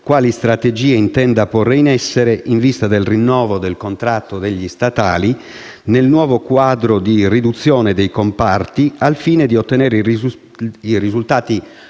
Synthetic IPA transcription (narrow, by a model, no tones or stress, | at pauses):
kwaːlist̪ɾat̪ed͡ʒiːeint̪ɛnd̪apɔreinɛsːeɾeʔiɱvist̪ad̪elrinːɔːvod̪elkont̪ɾat̪ːod̪eʎːist̪at̪aːli | nelnwɔːvokwaːd̪ɾod̪irid̪ut̪sːjɔːned̪ejkompart̪ialfiːned̪iot̪ːenɛːɾ | irizult̪aːt̪i